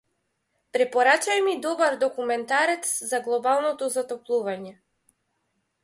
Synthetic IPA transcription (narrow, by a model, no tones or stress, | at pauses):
pɾɛpɔɾat͡ʃajmid̪ɔbaɾd̪ɔkumɛnt̪aɾɛt̪szaɡlˠɔbalˠnɔt̪ɔzat̪ɔplˠuvaɲɛ